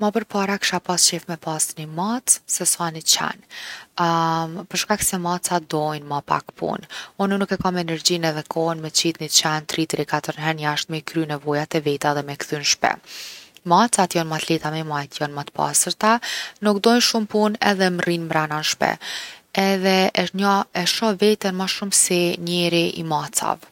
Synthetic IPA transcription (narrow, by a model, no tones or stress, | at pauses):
mapəɾpaɾakʃapast͡ɕɛfmɛpasnimat̪sɛsanit͡ɕɛ̰n | pəɾʃkaksɛmat͡sad̪ɔjnmapa̰kpʰṵnununukɛkamɛɛnɛɾd͡ʑinɛðɛkʰɔɦnmɛt͡ɕit̪nit͡ɕant̪ɾit̪ɾikat̪əɾnɦɛɾnjaʃt̪mɛkɾynɛvɔjat̪ɛvit̪aðɛmɛkθynʃpɛ̰mat͡sat̪jɔnmat̪lɛt̪amɛmajt̪jɔnmat̪əpa̰səɾt̪anukd̪ɔjnʃumpunɛðɛmrinmɾananʃpɛ̰ɛðɛʔəʃɲaɛʃɔvɛt̪ɛnmaʃumsiɲɛɾiʔḭmat͡sa̰v